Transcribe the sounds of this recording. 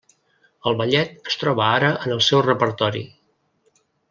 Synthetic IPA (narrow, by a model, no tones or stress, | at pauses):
əlˠβəʎɛt̪əst̪ɾɔβəaɾəənəlˠsɛwrəpəɾt̪ɔɾḭ